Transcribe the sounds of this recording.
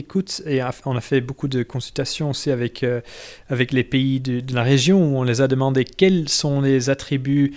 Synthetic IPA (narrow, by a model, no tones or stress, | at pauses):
ekut̪eɔ̃nafɛbokud̪əkɔ̃sylt̪asjɔ̃osiavɛkʰø | avɛklepeid̪əd̪əlaʁeʒjɔ̃uɔ̃lezad̪əmɑ̃d̪ekʲɛlsɔ̃lezat̪χiby